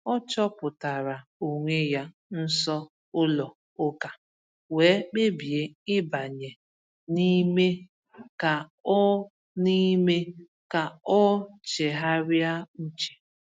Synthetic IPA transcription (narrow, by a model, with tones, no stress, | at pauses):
ɔ˦t͡ʃɔ˦pʊ˨ta˨ɾa˨o˨ŋʷe˦ja˦ | n̩˦sɔ˦ | ʊ˦lɔ˨ | ʊ˦ka˨ | weː˨˦k͡pe˦bi˨e˨ɪ˦ba˨ɲe˨ | ni˦me˦ | ka˨ɔ˦ | ni˦me˦ | ka˨ɔ˦t͡ʃe˨ɦa˦ɾja˦n̩˦t͡ʃe̥˨